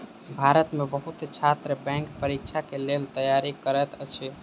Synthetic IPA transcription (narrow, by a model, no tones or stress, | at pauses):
bʱaɾət̪mebəɦut̪t͡ʃʰat̪ɾəbɛ̃ŋkpəɾik̚t͡ʃʰakelelt̪əjaɾikəɾɛt̪ət͡ʃʰi